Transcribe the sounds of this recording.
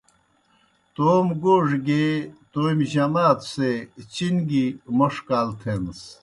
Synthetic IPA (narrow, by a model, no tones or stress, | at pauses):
t̪oːmɡoːʐɡet̪oːjmʑɐmaːt̪set͡ɕinɡimoʂkaːlt̪ʰeːms